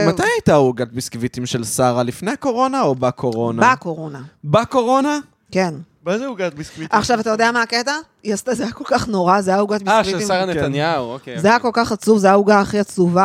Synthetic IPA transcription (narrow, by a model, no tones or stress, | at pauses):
matajajt̪auɡat̪̚biskvit̪imʃelsaʁalifnejako̞ʁo̞naobakʰo̞ʁo̞naako̞ʁo̞nabako̞ʁo̞na | ke̞n | bazeuɡat̪̚biskviaχʃavat̪ajod̪eamaːket̪a | jast̪azejako̞lkaχnoʁazejauɡat̪bikviisaʁanetanjauzejako̞lkaχat͡suvzejauɡaːχiat͡suva